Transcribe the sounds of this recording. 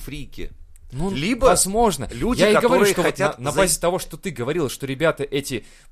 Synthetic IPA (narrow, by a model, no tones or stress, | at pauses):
fɾʲikʲɪ̰ | nulʲibəɐzmo̞ʐnəlʲujʲaɪɪɐɡəvvɐɾuɨʂt̪ovot̪nanɐbbazʲɪt̪ɐvo̞ʂt̪ot̪ɨɡəvɐɾʲilˠəʂt̪o̞ɾʲɪbʲat̪əʔɛtʲɪ